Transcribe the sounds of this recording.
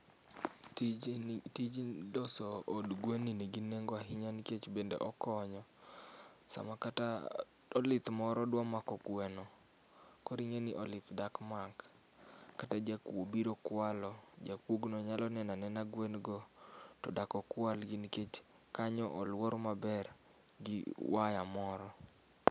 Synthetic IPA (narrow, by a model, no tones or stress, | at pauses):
tid͡ʒidɔsɔːdɡwenineɡinːeŋɡɔaɦɪɲanket͡ʃbendḛʔɔkɔɲɔ | sa̰makata | ɔlɪt̪mɔɾɔdwɔmakɔkwɛnɔ | kɔɾiŋeniʔɔlɪt̪dakmak | katad͡ʒakwobiɾokwalɔd͡ʒakwoɡnɔɲalɔnɛnanɛnaɡwenɡɔtɔ̰dakɔkwalɡɪnket͡ʃ | kaɲɔʔɔlwoɾmabɛr | ɡɪwajamɔɾɔ